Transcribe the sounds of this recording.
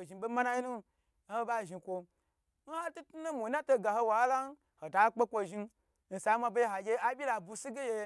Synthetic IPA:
ʒi˨be˦ma˦na˦ji˦nu˦ | n̩˦ho˧˦ba˦˨ʒi˧kʷo˧ | n̩˦ha˦tu˦tu˦nu˦mu˨˦na˦to˧ɡa˨ho˧wa˨˦la˦n˦ | ho˨ta˨˦k͡pe˦kʷo˧ʒi˧ | n̩˨sa˨˦ma˧be˦jɦa˨ɡʲe˧˦a˦bʲi˦la˨bu˧si˦ɡe˦je˧

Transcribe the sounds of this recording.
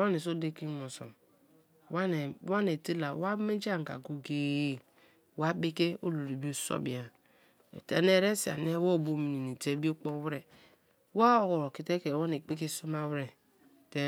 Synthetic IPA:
wa˦ne˨so˦de˦ki˦mo˨so̰˨m | wa˦n˨˦wa˦ne˨ti˦la˨wa˦me˦d͡ʒa˦˨ŋ˨ka̰˨ɡo˦ɡe˦˨ | wa˦be˦ke˦o˦lu˨ɾi˨bi˦o˦so̰˦bi˨a̰˨ | tḛ˨˦ne˦ɾe˦si˨a̰˨ne˦wo˦˨bo˨mi˨ni˨ni˨te˦bi˦o˦k͡po˦wɾe˨ | wa˦o˨ko˨ɾo˨ki˨te˦ke˨wa˦ne˨k͡pe˦ke˦so˦ma˦wɾe˨ | te˦

